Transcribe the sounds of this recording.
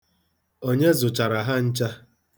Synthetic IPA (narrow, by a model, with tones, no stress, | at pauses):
o˦ɲe˦zʊ˨t͡ʃa˨ɾa˨ɦa˦n̩˦t͡ʃa˦